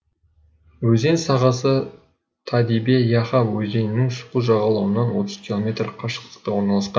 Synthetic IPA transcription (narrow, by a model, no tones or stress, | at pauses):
wɵze̞nsɑʁɑsə | t̪ʰɑd̪ibe̞jɑχɑwɵze̞nɪnːɪŋʃʊ̥quʒɑʁɑlˠɑwənɑnwo̞t̪əz̥kʲʰilˠo̞mʲe̞t̪rqʰɑʃə̥qt̪ə̥qt̪ɑwo̞ɾnɑlˠɑsqɑn